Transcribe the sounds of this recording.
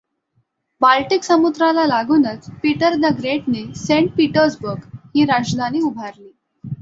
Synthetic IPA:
balʈiːksəmud̪ɾalalaɡuːnət͡spiʈəɾd̪əɡɾeʈ̚nesẽɳʈ̚piʈəɾsbəɾɡhiːɾad͡ʑd̪ʱaniːubʱaɾliː

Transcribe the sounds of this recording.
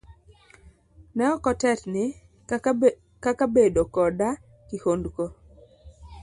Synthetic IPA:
nɛɔkɔtɛtnɪ | kakabedokɔda | kihondko

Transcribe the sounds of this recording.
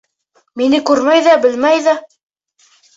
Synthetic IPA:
minɘkʉɾmæjðæbɘ̆lmæjðæ

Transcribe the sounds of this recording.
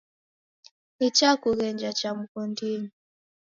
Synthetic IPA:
it͡ʃakuɣɛɲd͡ʒat͡ʃam̩kundini

